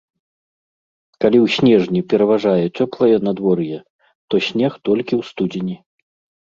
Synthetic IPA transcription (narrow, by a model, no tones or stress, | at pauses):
kalʲiwsʲnʲɛʐnʲipʲɛɾɐvaʐajɛt͡sʲɔplˠɐjɛnad̪vɔrjɛ | t̪ɔsʲnʲɛxt̪ɔlʲkʲiwst̪ud͡zʲinʲi